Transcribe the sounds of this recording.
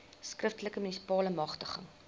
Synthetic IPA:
skrəftələkəmynisi̥pɑːləmɐχtəχə̰ŋ

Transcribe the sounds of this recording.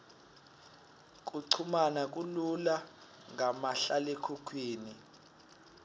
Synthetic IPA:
k̬ʼuǀʰumanakʼulula | ŋamaɬalekʰukʰwiːni

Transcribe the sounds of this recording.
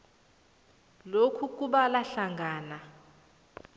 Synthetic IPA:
lokʰuk̬ʼuɓalaɬaŋɡʱaːna

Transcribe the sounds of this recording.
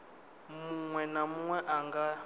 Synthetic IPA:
muŋwɛnamuŋwɛʔaŋɡa

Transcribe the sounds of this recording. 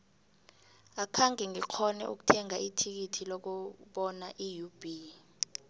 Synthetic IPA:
akʰaŋʱɛŋikʰɔnɛ̰ʔṵk̬u̥tʰɛŋaʔitʰik̬itʰilɔk̬ɔɓɔnaʔijub̥ʱi

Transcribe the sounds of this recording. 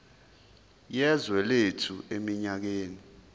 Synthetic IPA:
jɛzwɛletʰuemiɲak̬eːni

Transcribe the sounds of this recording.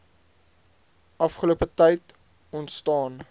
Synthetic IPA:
ʔɐfχəluəpətɛjt | ɔntstɑːn

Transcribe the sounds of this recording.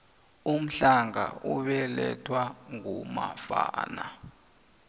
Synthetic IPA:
um̩ɬaŋa̰ʔuɓɛlɛtʰwaŋumafa̰ːna

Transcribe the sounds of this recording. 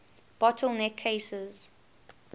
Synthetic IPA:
b̥ɔtʰəlˠnɛkʰːeɪsəz̥

